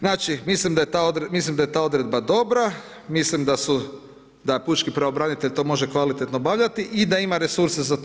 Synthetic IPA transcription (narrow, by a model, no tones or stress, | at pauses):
znaːt͡ʃimislimd̪ajet̪aod̪ɾemislimd̪aet̪aːo̞d̪ɾe̞d̪bad̪o̞bɾa | mislimd̪asu | d̪aput͡ʃkipɾeobɾanit̪e̞ʎt̪o̞mo̞ʒe̞kʋalit̪et̪nobaʋʎat̪iʔid̪aimaɾe̞suɾse̞zat̪